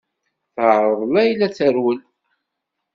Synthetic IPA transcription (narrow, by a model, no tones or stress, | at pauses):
θəʕɾˤəðˤlæjlːæt͡sːæɾwəl